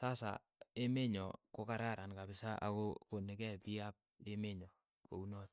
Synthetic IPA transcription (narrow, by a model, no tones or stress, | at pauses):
sasa̰ | emeɲɔ̰kokaɾaɾankabɪsaʔa̰kokonekɛpiap̚emeɲɔ | ko̰unɔt̚